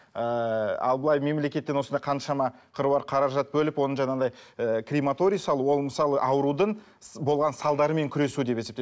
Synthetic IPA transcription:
əɑ̰lˠbəlˠɑjme̞mle̞kʲe̞t̪ːenwo̞snd̪ɑjqʰɑnʃɑmɑqʰəɾuɑɾqʰɑɾɑʒɑt̪̚bɵlɪpwo̞nəɴʒɑnɑd̪ɑjəkʲʰrʲimat̪o̞ɾʲijsɑlˠəwo̞lˠməsɑlˠəʔɑwəɾud̪əɴ | bo̞lˠʁɑnsɑlˠd̪ɑɾəme̞ŋkʲʰʏɾe̞sud̪e̞pee̞pt̪

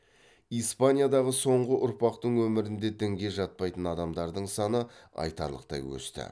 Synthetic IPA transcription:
ijspanʲijad̪ɑʁəso̞ɴʁəʔʊɾpɑqt̪əɴwɵmɪɾɪnd̪e̞d̪ɪŋɡʲe̞ʒɑt̪̚pɑjt̪ənɑd̪ɑmd̪ɑɾd̪əɴsɑnəɑ̰jt̪ɑ̰ɾlˠə̰q̚t̪ɑ̰jwɵ̰st̪ɪ̰

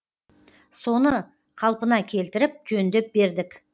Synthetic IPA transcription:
so̞nə | qʰɑlˠpənɑkʲʰe̞lt̪ɪɾɪp̚ʒɵnd̪e̞p̚be̞ɾd̪ɪk

